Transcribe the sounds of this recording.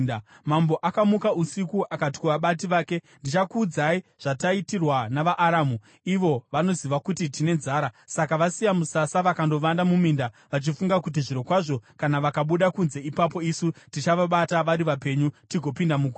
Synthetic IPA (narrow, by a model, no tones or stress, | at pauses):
mambo̞ʔakamukausikuʔakati̥kuʋaɓat̬iʋaːke̞ | ndit͡ʃakud͡zaiʐ̥ataitirwanaʋaʔːɾaːmu | iʋo̞ʋano̞ziʋakutitine̞nzaːɾasakaʋasijamusasaʋakando̞ʋandamuminda | ʋat͡ʃifuŋɡakut̬iʐiɾo̞kwaʐo̞kanaʋakaɓuɗakunze̞ipapo̞isutit͡ʃaʋaɓataʋaɾiʋape̞ɲutiɡʱo̞pindamuku